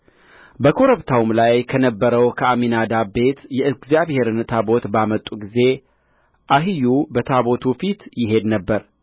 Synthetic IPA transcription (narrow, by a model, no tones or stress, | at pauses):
bəkʰo̞ɾəβt̪ʰawmlajkʰənəbːəɾəwkʰəaminad̪abe̞t̪jɛɨɡzjaβhe̞ɾɨnt̪ʰabo̞t̪bamət̪ʼːuɡize̞ | ʔaɦijubət̪ʰaβo̞t̪ʰufit̪jɪɦe̞d̪nəbːəɾ